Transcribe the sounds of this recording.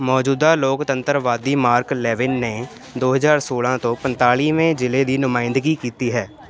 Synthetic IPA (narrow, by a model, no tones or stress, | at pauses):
mɔːd͡ʒuːd̪aːloːkt̪ənt̪əɾʋaːd̪iːmaːɾklɛːʋɪnːeː | d̪oːɦəzaːɾsoːlãːt̪õːpənt̪aːliːmẽːd͡ʒɪleːd̪iːnʊmaːɪ̃nd̪ɡiːkiːt̪iːɦɛː